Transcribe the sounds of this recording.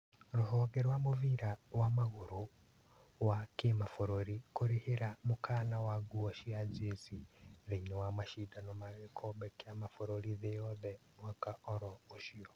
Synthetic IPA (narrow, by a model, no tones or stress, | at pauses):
ɾoɦɔɣɛɾwamoviɾawamaɣoɾo | wakemafoɾoɾikoɾeheɾamokʰaːnawaɡuaʃiazesiðeinɔwamaʃidanomaɣekʰɔbɛkjamafoɾoɾiðejɔðɛmwakaɔɾɔoʃiɔ